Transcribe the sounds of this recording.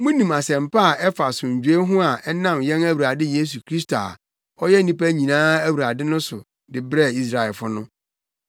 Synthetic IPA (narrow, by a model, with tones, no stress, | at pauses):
mʊ̃˦nĩ˨ma˨sɛ̃˨m˨pa˦a˨ɛ˦fa˨sʊ̃˨ɲ̩˨d͡ʑᶣe˦ɦʊ̃˦a˨ʔɛ˦nã˦˨mjɛ̃˦næ˦wu˨ɾa˨dɪ˦je˦s̬u˨kʰɾi˦s̬to˨a̰˨ | ɔ˦jɛ˦nĩ˦pæ˦ɲĩ˨nãː˦æ˦wu˨ɾa˨dɪ˦nʊ̃˦sʊ˨ | dɪ˨bɾɛ˦˨i˦s̬ɾa˨ɛ˨fʊ˦nʊ̃˦